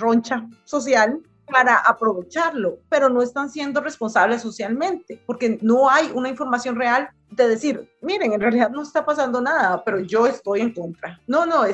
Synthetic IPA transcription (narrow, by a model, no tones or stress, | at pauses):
ront͡ʃaso̞sjal | paɾaʔapɾo̞βe̞t͡ʃaɾlo̞pe̞ɾo̞no̞e̞st̪ansje̞nd̪o̞re̞spo̞nsaβle̞sːo̞sjalmẽ̞nt̪e̞po̞ɾke̞no̞ajunaiɱfo̞ɾmasjo̞nre̞al | d̪e̞ðe̞siɾmiɾe̞ŋenrealiðaðno̞est̪apasand̪o̞naðape̞ɾo̞ʝo̞e̞st̪o̞je̞ŋko̞nt̪ɾanonoe